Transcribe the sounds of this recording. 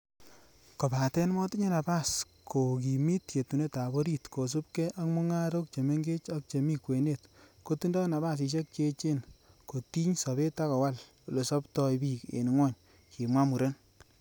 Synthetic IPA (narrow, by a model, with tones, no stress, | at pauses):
ko˨pa˨tɛ˦nmɔ˦ti˦ɲe˦na˨ba˦˨s | kʰo˨k̬i˨mi˦tje˨tu˨ne˦ta˨bo˦ɾi˦tko˨s̬u˦pkɛ˦ʔa˦kmu˦ŋa˦ɾo˦k̚t͡ʃe˨me˦ŋɡe˦t͡ʃa˦k̚t͡ʃe˨mi˦kwe˨ne˦tko˦tu˦ndɔ˦na˨βa˦s̬i˧ʃ̬e˦k̚t͡ʃe˧t͡ʃe˦nko˨ti˦ɲsɔ˨βe˦ta˦kɔ˨wa˦l | o˨le˨sɔ˦ptɔ˧jbi˦kḛ˨n˨ŋwɔ˦ɲ | kʰi˨mwa˦mu˨ɾe˦n